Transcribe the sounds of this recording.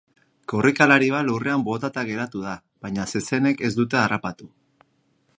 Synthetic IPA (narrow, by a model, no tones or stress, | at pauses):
korikalaɾiβ̞alure̞ambo̞t̪at̪aɣe̞ɾat̪uð̞a | βaɲase̞se̞ne̞ke̞zd̪ut̪̬e̞arapat̪u